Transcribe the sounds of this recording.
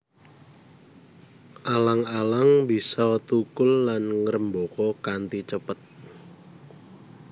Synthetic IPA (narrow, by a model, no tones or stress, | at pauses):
ʔalaŋalaŋbi̤sɔt̪ukʊlːanŋəɾəmbokɔkant̪it͡ʃəpət̪̚